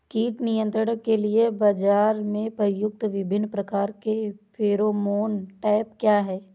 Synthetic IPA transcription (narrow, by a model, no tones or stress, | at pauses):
kiːʈnijə̃nt̪ɾəɽkeliebad͡ʒaːɾmẽpəɾjʊk̚t̪ʋɪbʱɪnːpɾɐkaːɾkepʰeːɾomoːnʈaːɪp̚kjaːɦɛː